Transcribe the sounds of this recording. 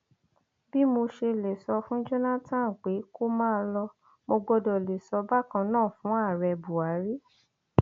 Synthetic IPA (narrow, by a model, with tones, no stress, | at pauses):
bi˦mo˧ʃe˧le˨sɔ˧fũ˦d͡ʒo˦na˦tã˦˨n̩˨k͡pe˨˦ko˦mãː˦˧lɔ˧ | mo˧ɡɔ˧dɔ˨le˨sɔ˧ba˦kã˧nãː˦˨fũ˨˦a˦˨ɾɛ˧bu˨a˨˦ɾi˦